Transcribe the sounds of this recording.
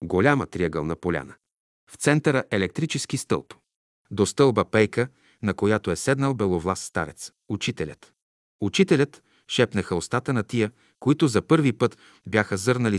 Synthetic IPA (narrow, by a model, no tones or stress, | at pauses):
ɡolʲamə̰t̪ɾiəɡəlˠnɐpolʲa̰nə | ft̪sɛnt̪əɾəʔɛlɛk̚t̪ɾit͡ʃɛsk̟ist̪ɤ̰lˠp | d̪ost̪ɤlˠbəpɛjkə | nɐkojat̪oɛsɛd̪nəlˠbɛlˠovlˠasːt̪a̰ɾɛt̪s | ut͡ʃit̪ɛlʲə̰t̪ | ut͡ʃit̪ɛlʲət̪ | ʃɛpnəxəost̪at̪ənɐt̪ijə | koit̪ʊzɐpɤɾvipɤt̪ | bʲjaxəzɤɾnɐli